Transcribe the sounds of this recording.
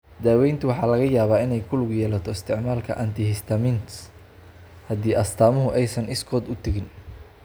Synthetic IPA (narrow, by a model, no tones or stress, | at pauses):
d̪aːwɛjnt̪ʰʊwɑħɑːlɐɣɐjaːβaːɪnɛjkʰʊlɡjɛːlɐt̪ʰɔɪst̪ʰɪʕmaːlkʰɐ̰ʔɐ̰nt̪ʰɪhɪst̪ʰɐmɪnt̪s | hɐd̪iːʔɐst̪ʰaːmʊɦʊʔɛjsɐnɪskʰɔːd̪ʊt̪ʰɐɣɪn